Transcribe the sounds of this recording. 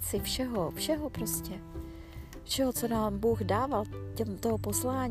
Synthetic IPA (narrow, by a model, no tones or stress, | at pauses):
t͡sɪfʃɛɦofʃɛɦopɾo̞scɛ | fʃɛɦo̞t͡so̞naːmbuɣdaːvalcɛmt̪oɦoposlaːɲ